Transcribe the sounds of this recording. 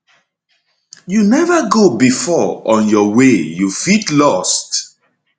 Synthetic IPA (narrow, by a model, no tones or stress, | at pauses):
junɛvaɡobifɔɔ̃njɔwejufitlɔst